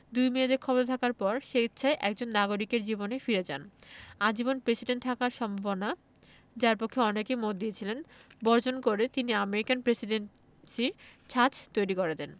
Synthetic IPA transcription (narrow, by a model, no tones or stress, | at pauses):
d̪ujmiad̪eɾkʰɔbot̪ʰakaɾpɔɾʃeɡit̪ːɕʰaeʔɛk̚d͡ʑonːaɡoɾikeɾd͡ʑibonefiɾed͡ʑa̰nad͡ʑibonpɾesiɖeɳʈ̚t̪ʰakaɾʃɔmbʱabona | d͡ʑaɾpokʰːeɔnekemot̪̚d̪iet͡ɕʰilenbɔɾd͡ʑonkoɾet̪iniameɾikanpɾesiɖen | siɾt͡ɕʰat͡ɕʰt̪ojɾikoɾed̪ɛn